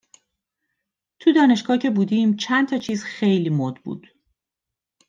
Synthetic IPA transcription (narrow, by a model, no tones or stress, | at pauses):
t̪ʰud̪ɒːne̞ʃɡɒːcʰe̞buːd̪iːmt͡ʃʰænt̪ʰɒːt͡ʃʰiːzxe̞jliːmod̪bṵːd̪̥